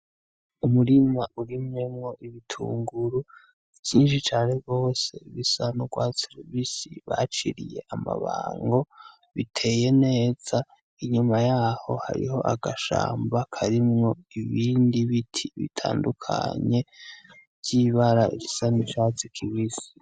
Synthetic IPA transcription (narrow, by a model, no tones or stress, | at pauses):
umuɾimaʔuɾimŋe̞mŋo̞ʔiβitʰṵːŋɡuɾu | ciːnʃit͡ʃaːneɡo̞ːse̞iβisanoɡwaseɾivisiβa̰t͡ʃiɾḭje̞̰ʔama̰βaːŋɡo | βitʰe̞ːje̞ne̞ːd͡z̥a | iɲumajaːho̞̰ha̰ɾḭho̞ʔaɡaʃa̰ːmbakʰaɾimŋo̞iβiːndiβitʰiβḭtʰa̰ːndukʰa̰ɲe̞ | ɟ̥iːβaɾaiβisanit͡ʃaːt͡sikʰiβisi̥